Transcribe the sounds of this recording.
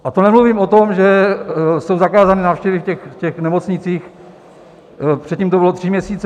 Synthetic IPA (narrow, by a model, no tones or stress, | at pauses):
ʔat̪onɛmluviːmo̞t̪o̞mʒɛ | so̞wzakaːzanɪnaːfʃcɛvɪfcɛxcɛxnɛmot͡sɲɪt͡siːx | pr̝ɛt̪ciːmt̪oɪlot̪r̝̥ɪmɲɛsiːt͡s